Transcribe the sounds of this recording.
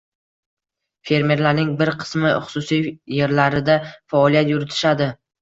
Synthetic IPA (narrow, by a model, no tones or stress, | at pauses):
fe̞ɾme̞ɾlaɾnɪŋbɪɾqʰɨ̥smɪχʊ̥sʊsijje̞ɾlaɾɪd̪afaɒlˠijat̪jʊɾɪt̪ʰɪ̥ʃad̪ɪ